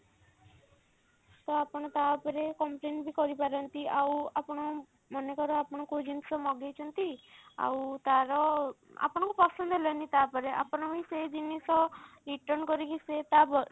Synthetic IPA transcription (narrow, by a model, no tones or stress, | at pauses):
t̪ɔapɔɽ̃ɔt̪apɔɾekɔmpleɳʈbʱikɔɾipaɾɔnt̪iawapɔɽ̃ɔ | mɔnekɔɾɔapɔɽ̃ɔkod͡ʒinsɔmɔɡejt͡ʃʰɔnt̪ia̰wt̪aɾɔ | a̰pɔɽ̃ɔŋkupɔsɔnd̪ɔɦelɔnt̪it̪apɔɾeʔa̰pɔɽ̃ɔbised͡ʒinisɔɾiʈɔɾnkɔɾikiset̪abɔ